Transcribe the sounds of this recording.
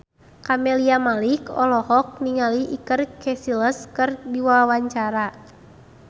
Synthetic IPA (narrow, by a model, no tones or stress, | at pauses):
kamɛliamalikɔ̰lɔhɔk̚niŋaliʔikərkʰɛsiləskɨrdiwawaɲt͡ʃaɾa